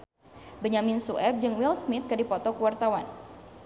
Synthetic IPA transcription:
bəɲaminsuʔɛp̚d͡ʒɨŋwilsmɪt̪̚kədipɔt̪ɔkəwart̪awan

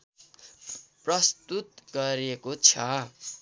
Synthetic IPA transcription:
prʌst̪ut̪ɡʌɾekot͡sʰʌ

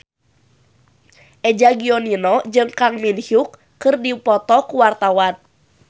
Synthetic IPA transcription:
ʔɛd͡ʒaɡiɔninɔd͡ʒɨŋkaŋminhjukː | ɨrdipɔt̪ɔkuwart̪awan

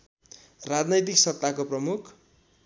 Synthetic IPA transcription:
rad͡znʌjt̪̬iksʌt̪ːakoprʌmukʰ

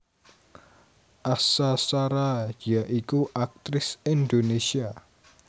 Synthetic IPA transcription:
ʔasasaɾajaʔikuʔak̚t̪ɾɪsindonesia

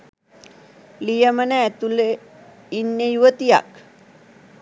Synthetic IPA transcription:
lijəməneːt̪ule | inːejuwət̪ija̰k̚

